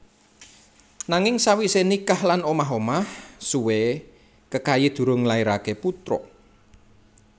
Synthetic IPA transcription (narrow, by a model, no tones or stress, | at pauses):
naŋɪŋsawisenikahlanomaɦomahsuwe | kəkajid̪̥ṳɾʊŋlaiɾakeput̪ɾɔ̰